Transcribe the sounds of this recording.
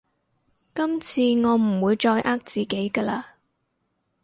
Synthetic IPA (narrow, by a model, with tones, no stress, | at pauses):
kɐ˥mt͡sʰiː˧ŋɔː˨˧m̩˨˩wuː˨˧jt͡ʃɔː˧jʔaː˥k̚t͡siː˨ke˨˥jkɐː˧laː˧